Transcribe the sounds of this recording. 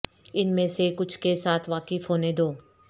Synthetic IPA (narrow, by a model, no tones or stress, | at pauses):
ɪnmẽsekʊt͡ʃʰkesaːt̪ʰʋaːkɪfɦoːned̪oː